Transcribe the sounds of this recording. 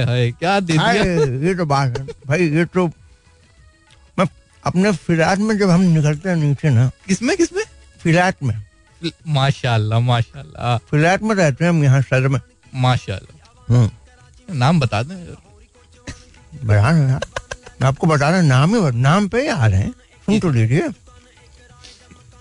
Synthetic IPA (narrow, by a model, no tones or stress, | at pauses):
ɦakjaːd̪eaiajet̪obaːt̪ɦɛ̃bʱaːijet̪o | mɛ̃ | ɐpnefɪlɛːʈmẽd͡ʒɐbɦɐmnɪkəlt̪eɦɛ̃nĩːt͡ʃenakɪsmẽkɪsmẽ | fʰɪlɛːʈmẽ | maːʃaːlːamaːʃa̰ːlːa̰fɪlɛːʈmẽɾɛɦt̪eɦɛ̃ɦmjɐɦãsɐlmẽ | maːʃa̰ːlːa̰ | ɦː | anaːmbɐt̪aːd̪ẽ | bɐɾaːɾɛ̃amɛ̃aːp̚kobɐt̪aːɾẽɛ̃naːmĩnaːmpeaːɾɦɛ̰̃ | sʊ̃nʈoliːɾie